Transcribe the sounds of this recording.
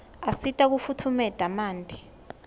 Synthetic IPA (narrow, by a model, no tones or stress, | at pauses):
asitʼak̬ufutʰumɛd̥ʱamaːndʼʱi